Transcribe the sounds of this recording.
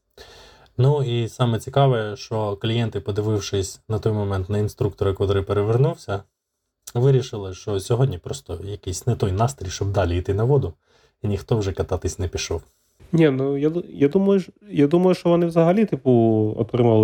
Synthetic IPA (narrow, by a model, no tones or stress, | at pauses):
nuisɑmɛt͡sʲikɑʋɛɛʃt͡ʃɔklʲijɛnt̪ɪpɔd̪ɪʋɪwʃɪsʲnɐt̪ɔjmɔmɛnt̪nɐinst̪ɾuk̚t̪ɔɾʊkʋɐt̪ɾɪpeɾeʋernuwsʲɐ | ʋɪɾʲiʃɪlˠɪʃt͡ʃɔsʲɔɦɔd̪ʲnʲipɾɔst̪ɔjɐkisʲnɛt̪ɔjnɑst̪ɾʲijʃt͡ʃɔb̚d̪ɑlʲiit̪ɪnɐʋɔd̪ʊ | inʲixt̪ɔwʒɛkɐt̪ɑt̪ɪsʲnɛpʲiʃɔw | nʲinujajad̪umɐjʊjad̪umɐjʊʃt͡ʃɔʋɔnɪwzɐɦɐlʲit̪ɪpuɔ̰t̪ɾɪmɑlˠ